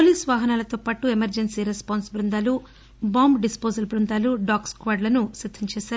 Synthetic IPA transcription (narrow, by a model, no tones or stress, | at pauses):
poliːsʋaːɦɐnaːlɐt̪oːpaːʈuemɐɾd͡ʒensiːɾespaːnsbɾund̪aːlu | baːmbɖispoːzɐlbɾund̪aːluɖaːkskʋaːɾɖlɐnuʃid̪ʱːɐmt͡ʃɛːʃaːɾu